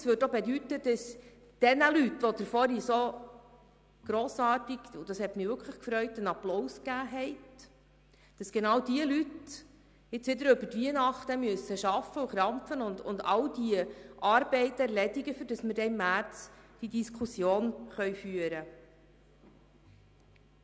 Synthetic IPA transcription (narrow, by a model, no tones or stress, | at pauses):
sʋøːɾdobed̪ytəd̥ɑs | d̥ɛnəlytʋod̥̪əɾfɔɾiso | ɡ̥ɾoːsɑːɾtiɡ̥ʊd̥ɑshɛtmɪʋʏɾkʰləχkfɾœʏtənɑplɔwskæːɦɛɪt | d̥ɑsɡ̥enɑwd̥iəlyt | ɪt͡sʋɪd̪əɾʏbətʋiənɑχt̪əmyəsːəʃɑfːəuχɾɑmpfənʊndʊ̰nd̪ɑld̥iəʔɑɾbɛɪt̪æɾlɛdiɡəfyɾd̥ɑsməɾdɛɪmːæɾt͡sd̥idiskʰusjoːnχœʏfyəɾə